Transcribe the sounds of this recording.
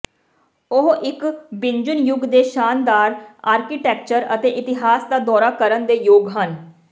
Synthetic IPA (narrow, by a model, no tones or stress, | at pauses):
ʊɦɪkbɪɲd͡ʒʊnjʊɡd̪eːʃaːnd̪aːɾaːɾkiːʈɛːk̚t͡ʃəɾət̪eːʔɪt̪ɪɦaːsd̪aːd̪ɔːɾaːkəɾənd̪eːjoːɡɦən